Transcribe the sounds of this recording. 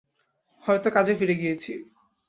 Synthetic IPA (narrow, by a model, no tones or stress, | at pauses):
hɔet̪okad͡ʑʱefiɾeɡijet͡ɕʰi